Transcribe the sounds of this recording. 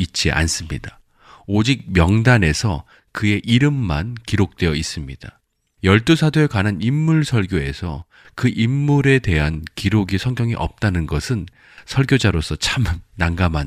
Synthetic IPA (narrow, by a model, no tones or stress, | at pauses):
it̚t͡ɕ͈iʔa̰ns͈ɯmɲida | od͡ʑik̚mjʌŋdane̞sʰʌ̰ | kɯe̞ʔiɾɯmːa̰nkiɾok̚t͈we̞jʌis͈ɯmɲida | jʌɭt͈usʰadoekwananimːuɭsʰʌɭɡjoe̞̰sʰʌ̰ | kɯʔimːuɾe̞de̞ɦankiɾoɡisʰʌŋɡjʌŋiʔʌ̰p̚t͈anɯnɡʌsʰɯn | sʰʌɭɡjod͡ʑaɾosʰʌt͡ɕʰamnaŋɡaman